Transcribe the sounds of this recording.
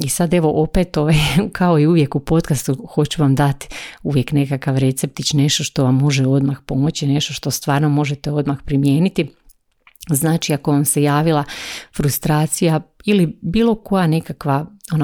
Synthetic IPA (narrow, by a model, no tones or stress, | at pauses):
isad̪e̞ʋo̞ʔo̞pet̪o̞ʋajkʰao̞iuʋje̞kupo̞t̪̚kast̪uxo̞t͡ɕuʋamd̪at̪i̥uʋje̞kne̞kakaʋɾe̞t̪sep̚t̪it͡ɕne̞ʃt̪o̞ʃt̪o̞ʋamːo̞ʒeo̞d̪maxpo̞mo̞t͡ɕine̞ʃt̪o̞ʃt̪o̞st̪ʋaːɾno̞mo̞ʒet̪eo̞d̪maxpɾimjeːnit̪i | znaːt͡ʃiako̞ʋamse̞jaːʋilˠafɾust̪ɾaːt̪sijailibiːlˠo̞ko̞jane̞kakʋaona